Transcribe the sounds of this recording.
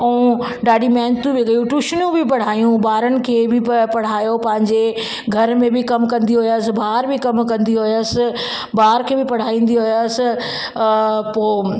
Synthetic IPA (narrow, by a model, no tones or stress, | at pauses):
ɐũ | ɖaːɖimɛːnt̪ũbiɡɐjũʈuʃnjũbɪpɐɽ̤aːijũbaːɾənɪ̆kʰeːbɪpɐɽ̤aːjopɐ̃ɦɪ̃ɲd͡ʑe | ɡʱɐɾmẽbɪkɐmkɐ̃nd̪iɦʊjəsɪ̆baːɦɾbɪkɐmkɐ̃nd̪iɦʊjəsɪ̆ | baːɦɾkʰeːbɪpɐɽ̤aːĩːn̆d̪iɦʊjəsɪ̆ | poː